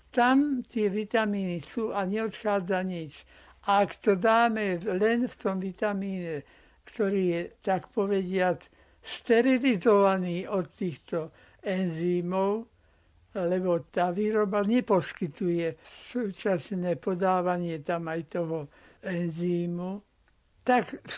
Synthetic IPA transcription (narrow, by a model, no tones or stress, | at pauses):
t̪amt̪ɪɛʋit̪amiːnisuːʔaɲɛɔt̪xaːd͡zaɲit͡ʃ | ʔaːkt̪ɔd̪aːmɛlɛnft̪ɔmʋit̪amiːɲɛ | kt̪ɔɾiːjɛt̪akpɔʋɛɟɪat͡s | st̪ɛɾilizɔʋaniːʔɔt̪ːiːxt̪ɔ | ɛnziːmɔʊ | lɛbɔt̪aːʋiːɾɔbaɲɛpɔskit̪ujɛsuːt͡ʃasnɛːpɔd̪aːʋaɲɪɛt̪amajt̪ɔɦɔ | ɛnziːmu | t̪ak